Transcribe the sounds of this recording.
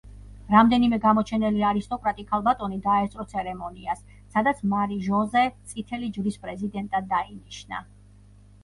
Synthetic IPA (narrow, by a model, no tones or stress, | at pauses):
ɾamd̪ɛnimɛɡamɔt͡ʃʰɛnɛliaɾist̪ʼɔkʼɾat̪ʼikʰalˠbat̪ʼɔnid̪aɛt̪sʼɾɔt̪sʰɛɾɛmɔniasː | ad̪at̪sʰmaɾiʒɔzɛt̪sʼit̪ʰɛlid͡ʒvɾispʼɾɛzid̪ɛnt̪ʼad̪ːainiʃna̰